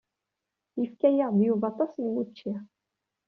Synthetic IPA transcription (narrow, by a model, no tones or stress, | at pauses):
jəfkæjæʁðjuvɑt̪ˤːɑsənwut͡ʃːi